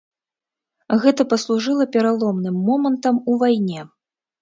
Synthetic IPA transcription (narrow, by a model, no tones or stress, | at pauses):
ɣɛt̪ɐpɐslˠuʐɨlˠɐpʲɛɾalˠɔmnɨmːɔmɐnt̪ɐmuvajnʲɛ